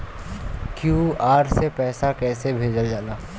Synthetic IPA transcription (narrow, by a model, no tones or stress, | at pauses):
kjuːaːɾsepɛːsakɛːsebʱeːd͡ʒəld͡ʒaːnaː